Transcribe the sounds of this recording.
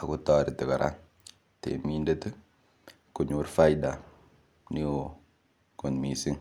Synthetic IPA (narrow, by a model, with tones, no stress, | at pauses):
a˨ku˦tɔ˦ɾi˨tə˨ka˨ɾʔa̰˦˨ | tḛ˨mi˦nde˦ti˦ | ku˨ɲu˨˦ɾfa˦jda˨ | ni˦o˨ | ko˨nmi˨si˦ŋ